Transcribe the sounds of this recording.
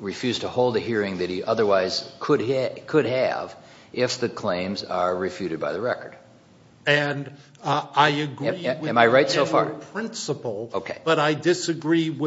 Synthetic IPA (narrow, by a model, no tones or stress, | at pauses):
ɹɨfjʉz̥tʰəhoʊlˠd̪ɨɦiɹɪ̃ŋðɨt̚hiʔʌðə˞waɪz̥kʰədkʰɨd̚ɨ̰v | ʔɪfðɨkʰl̥ẽɪ̃mzə˞ɹɨfjʉɾɨd̚baɪðɨɹɛkə̰˞d̥ | ɨ̃n | aɪɨɡɹiɨɨ̃maɪɹaɪtsoʊfɑ̰ɹpʰɹ̥ɪ̃nsəpl̩ˠoʊkʰeɪb̥ʌɾaɪdɪsɨɡɹiwɪ